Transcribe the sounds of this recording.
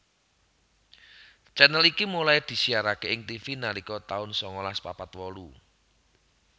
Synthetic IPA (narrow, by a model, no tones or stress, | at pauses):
t͡ʃɛnəlikimulajd̪̥i̤siaɾakeɪŋt̪ifinalikɔt̪aʊnsɔŋɔlaspapat̪wɔlu